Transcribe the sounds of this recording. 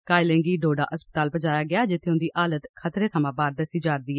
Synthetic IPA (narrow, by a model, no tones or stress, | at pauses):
kaːɪlẽːŋɡiːɖoːɖaːʔəspət̪aːlbəd͡ʒaːjaːɡɪaːd͡ʒɪt̪ʰːeːʊnd̪iːʔaːlət̪kʰət̪ɾeːt̪ʰəmãːbaːɾd̪əsiːd͡ʒaːɾd̪iːɦɛː